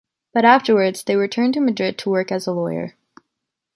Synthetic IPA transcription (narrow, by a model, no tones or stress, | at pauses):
b̥ʌɾæftə˞wə˞dz̥ðeɪɹɨtʰɜ̃˞ntɨmɨdɹɪd̚tʰəwɜ˞kɨzəlɔɪə̰˞